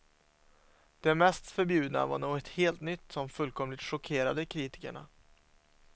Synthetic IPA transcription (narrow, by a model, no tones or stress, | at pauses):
d̪̥ɛmɛst̪fœɾbjʉ̟ːd̪na̰va̰ɳuːɡɔt̪heːlt̪nʏt̪ːsɔmfɵlkʰɔmlɪt̪ʂɔkʰeːɾad̪əkʰɾiːt̪ɪ̥kəɳa̰